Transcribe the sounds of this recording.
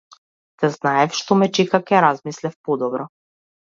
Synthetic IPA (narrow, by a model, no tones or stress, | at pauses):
t̪ɛznaɛfʃt̪ɔmɛt͡ʃɛkakɛɾazmislɛfpɔd̪ɔbɾɔ